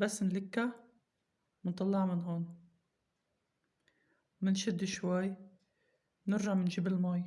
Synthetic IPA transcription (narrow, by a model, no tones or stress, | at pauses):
basːɪnlɪkːa | mɪnt̪ˤɑlːɑʕmɪnɦoːn | mɪnʃɪd̪ːʃwajː | nɪɾʒɑʕmɪnʒɪbɪlmɑːj